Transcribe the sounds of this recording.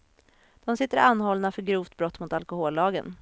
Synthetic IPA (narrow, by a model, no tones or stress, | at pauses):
d̪̥ɔmsɪt̪ːəɾanːhɔlːnafœɾɡɾuːft̪bɾɔt̪ːmʊt̪alkʊɦoːlːɑːɡə̰n